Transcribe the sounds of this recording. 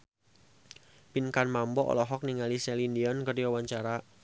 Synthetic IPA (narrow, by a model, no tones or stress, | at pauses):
pinkanmambɔʔɔ̰lɔɦɔk̚niŋalisɛlindiɔnkərd͡ʒɔwaɲt͡ʃaɾa